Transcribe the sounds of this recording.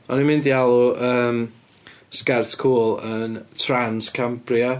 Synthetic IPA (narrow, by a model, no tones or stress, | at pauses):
ɔnimɪ̃ndialˠuəːm | skartkʰuːlˠəntʰranskʰampʰria